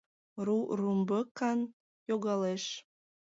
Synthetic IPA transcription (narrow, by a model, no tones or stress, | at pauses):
rurumbəkɑn | joɣɑleʃ